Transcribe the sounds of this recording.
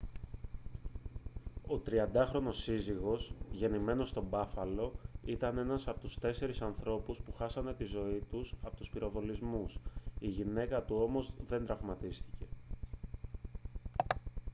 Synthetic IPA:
o̞t̪ɾiɐnd̪ɐxɾo̞no̞siziɣo̞sʝe̞nime̞no̞st̪o̞bɐfɐlo̞it̪ɐne̞nɐsɐpot̪u̥st̪e̞se̞ɾisɐnθɾo̞puspuxɐsɐnd̪e̞t̪izo̞it̪usɐpot̪uspiɾo̞vo̞lizmusiʝine̞kɐt̪uo̞mo̞zðe̞nd̪ɾɐvmɐt̪ist̪i̥ce̞

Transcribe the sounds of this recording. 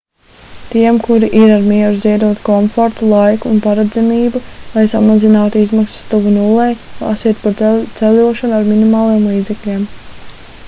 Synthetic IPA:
t̪iɛmkuɾiʔiɾaɾmiɛɾuziɛd̪uɔt̪kɔɱfoɾt̪ulˠajkuːnpaɾad̪zɛmiːbulˠajsamazinaːt̪uizmaksst̪uvunulˠːejlˠa̰siɛt̪̚pat̪sɛlʲuɔʃanuaɾminimaːlˠijɛmlˠiːd̪zɛklʲiɛm

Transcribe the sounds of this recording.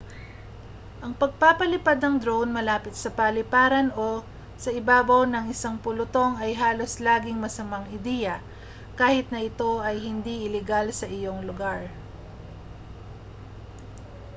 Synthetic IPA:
ʔɐŋpɐɡ̚papɐlɪpad̪nɐŋd̪ɾownmɐlaːpɪt̪̚sɐpɐlɪpaːɾɐno̞ | sɐʔɪbaːbɐwnɐŋɪsaŋpʊlʊt̪o̞ŋɐjɦaːlo̞slaːɡɪŋmɐsɐmaŋɪd̪ɛjɐ | kaːhɪt̪̚nɐɪt̪o̞ʔɐjhɪnd̪iɪlɛɡalsɐʔɪjo̞ŋlʊɡaɹ

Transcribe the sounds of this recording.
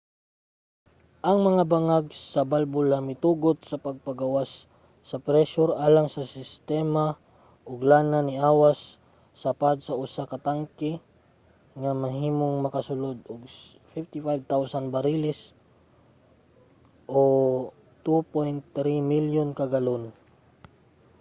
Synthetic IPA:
ʔɐŋmɐŋabaŋaɡ̚sɐbalbʊlamɪt̪uːɡot̪̚sɐpɐɡ̚pɐɡɐwasː | ɐpɾɛʃʊɾʔaːlaŋsɐsɪst̪ɛːma | ʔʊɡlaːnanɪʔaːwasː | ɐpad̪̚sɐʔʊsakɐt̪aŋkɪ | ŋamɐɦiːmoŋmɐkɐsʊlod̪ʊɡ | fift̪ɪfajb̚t̪awsanbɐɾilɪs | ʔo | t̪upojnt̪ːɾimiljonkɐɡɐlon

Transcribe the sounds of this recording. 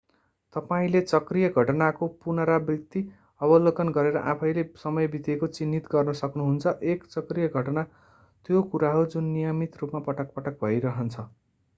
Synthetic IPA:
t̪ʌpaĩlet͡sʌkrijʌɡʱʌʈʌnakopunʌɾabjʌkt̪i | ʌbʌlokʌnɡʌɾeɾʌ̰ʔãpʰʌjlesʌmʌjbit̪ekot͡sinːit̪ɡʌrnʌsʌknuɦunt͡sʰʌʔekt͡sʌkrijʌɡʱʌʈʌna | t̪jokuɾaɦʌɾud͡zunːijʌmit̪rupmapʌʈʌk̚pʌʈʌk̚bʱʌjɾʌɦʌnt͡sʰʌ

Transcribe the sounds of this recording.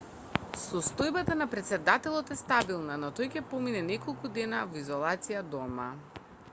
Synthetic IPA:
sɔst̪ɔjbat̪anapɾɛt̪sɛd̪at̪ɛlˠɔt̪ɛst̪abilˠnanɔt̪ɔjkʲɛpɔminɛnɛkɔlˠkud̪ɛnavɔizɔlˠat̪sijad̪ɔma

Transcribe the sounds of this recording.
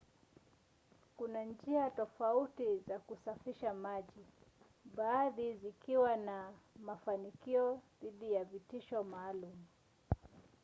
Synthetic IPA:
kunand͡ʒiatɔfautizakusafiʃamaʄi | ɓaːðizikiwanamafanikiɔðiɗijavitiʃɔmaːlumu

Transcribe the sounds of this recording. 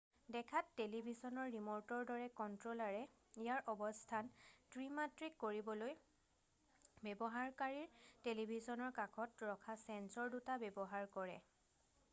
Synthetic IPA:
dɛkʰatːelibʱisɔnɔɹːimɔɹtɔɹdɔɹɛkɔntɹolaɹɛ | ijaɹʔɔbɔstʰantɹimatɹikːoɹibɔloj | bɛbɔɦaɹkaɹiɹtelibʱisɔnɔɹkakʰɔtɹɔkʰasɛnsɔɹdutabɛbɔɦaɹkɔɹɛ̰

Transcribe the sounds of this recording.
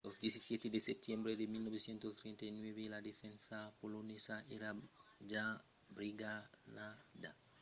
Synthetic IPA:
losd̪jesisjet̪ed̪esep̚t̪jembɾed̪emilnoβesjent̪ost̪ɾent̪ainweβelad̪efẽnsapolonesaʔeɾad͡ʒa | bɾiɡanad̪a

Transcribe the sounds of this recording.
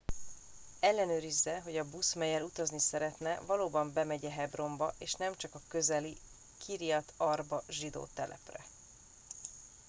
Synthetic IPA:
ɛlːɛnøːɾizːɛɦo̞ɟɒbusmɛjɛlut̪ɒznisɛɾɛt̪nɛvɒloːbɒmbɛmɛɟɛɦɛbro̞mbɒʔeːʃnɛmt͡ʃɒkɒkø̞zɛli | kʰiɾijɒt̪ʰɒrbɒʒid̪o̰ːt̪ɛlʔɛ̰prɛ̰

